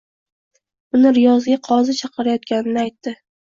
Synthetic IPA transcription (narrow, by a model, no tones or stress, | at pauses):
ʊnɪɾɪjɒzɡʲaqʰɒzɪt͡ʃʰɑqʰɨɾajɒt̪̚kʲanɪnɪajt̪ːɪ